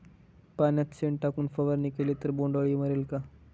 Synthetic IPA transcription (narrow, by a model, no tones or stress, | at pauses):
panjat̪seɳʈakuːnfəʋəɾnikelet̪əɾboɳɖəɭiːm̤əɾelka